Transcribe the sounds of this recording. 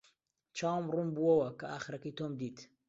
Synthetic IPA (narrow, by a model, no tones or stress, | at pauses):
t͡ʃʰaːwmrumbuwɐwɐkɐʔaːxɾɐkəjt̪oːmd̪iːt̪